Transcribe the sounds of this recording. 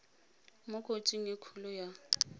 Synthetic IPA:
mʊkʼot͡ʃʼiŋ̩ekʰulʊja

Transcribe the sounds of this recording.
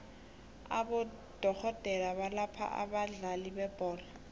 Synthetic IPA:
a̰bʊ | d̥ɔk͡xʰɔtʼɛlabalapʰa̰ʔa̰baɮalibɛbɔːla

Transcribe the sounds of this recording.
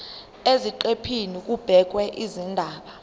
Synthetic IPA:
eziǃepʰinik̬ʼub̥ʱɛk̬wɛʔizindʱaːɓa

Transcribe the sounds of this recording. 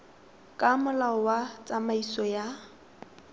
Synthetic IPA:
kʼamʊlaɔwat͡sʼamaisɔja

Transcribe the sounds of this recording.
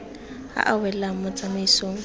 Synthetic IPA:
ha̰ʔawɛl̩laŋ̩mʊt͡sʼameisoːŋ̩

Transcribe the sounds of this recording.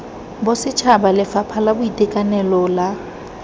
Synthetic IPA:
bʊsɪt͡ʃʰabalɪfapʰalabʊitʼekʼanɛlɔla

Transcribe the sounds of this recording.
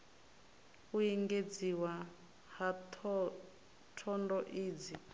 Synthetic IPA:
uiŋɡed͡ziwa | hatʰ | tʰɔndɔʔiːd͡zi

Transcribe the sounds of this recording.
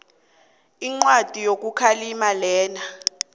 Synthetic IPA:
iŋ͡ǀwad̥ʱijok̬ukʰalimalɛːna

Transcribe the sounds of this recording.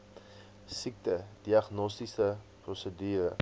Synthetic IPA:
sik̚təd̥iɐχnɔstisə | prɔsədyːɾə̰

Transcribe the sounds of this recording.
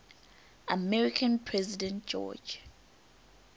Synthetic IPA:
amɛɹikʰãnpʰɹɛzidɛ̃nt̚d͡ʒɔ̰d͡ʒ

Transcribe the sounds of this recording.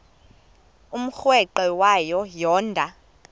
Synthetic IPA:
um̩xwɛǃɛwajɔjɔːndʱa

